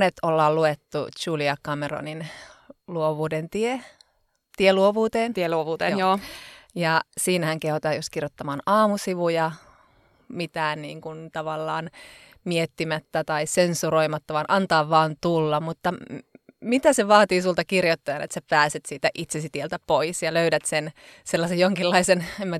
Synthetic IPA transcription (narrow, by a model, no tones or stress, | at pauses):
net̪olːɑːlluet̪ːṵt͡ʃuːliɑkɑmero̰ninluoʋuːdent̪ie | t̪ieluoʋuːt̪eːneloʋuːt̪eoːjɑsiːnæhæŋkehot̪ɑːjost̪kirjot̪ːɑmɑːnɑːmusiʋujɑ | mit̪æːnniːŋkunt̪ɑʋɑlːɑːn | miet̪ːimæt̪ːæt̪ɑisensuɾoimɑt̪ːɑʋɑnʔɑnt̪ɑːʋʋɑːnt̪ulːɑmut̪ːɑ | mit̪æseʋɑːt̪iːsult̪ɑkirjot̪ːɑjɑnḛt̪sæpæːset̪siːt̪æʔit̪sesit̪ielt̪æpoisjɑløyɾæt̪senselːɑsejjoŋkilːɑisenemːæ